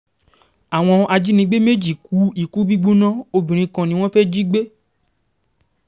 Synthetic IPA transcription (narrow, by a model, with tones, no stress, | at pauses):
a˨w̃ɔ̃˧a˧d͡ʒi˦nĩ˧˦ɡ͡be˦me˦d͡ʒi˨ku˨˦i˦˨ku˦bi˦ɡ͡bũ˦nã˦o˧bĩ˨ɾ̃ĩ˧kã˧nĩ˧˦w̃ɔ̃˦fɛ˦d͡ʒi˦ɡ͡be˦